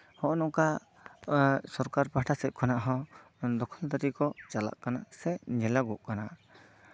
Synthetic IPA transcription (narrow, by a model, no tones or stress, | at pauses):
hɔʔɔnɔka | sɔɾkaɾpaʈʰasɛt̚ˀkʰɔnaʔɦɔ̃ | d̪ɔkʰɔlt̪aɾikɔt͡ʃala̰ʔkanasɛɲɛlaɡɔʔkana